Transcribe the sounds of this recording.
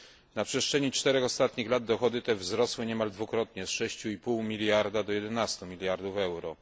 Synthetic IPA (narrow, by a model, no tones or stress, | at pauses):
napʂɛstt͡ʂʂɛɲit͡ʂt̪ɛɾɛxɔst̪at̪ɲixlad̪d̪ɔxɔd̪ɘt̪ɛvzɾɔswɘɲɛmald̪vukɾɔt̪ɲɛsʂɛɕt͡ɕuipuwmʲilʲjaɾd̪ad̪ɔjɛd̪ɛnast̪umʲilʲjaɾd̪ufɛwɾɔ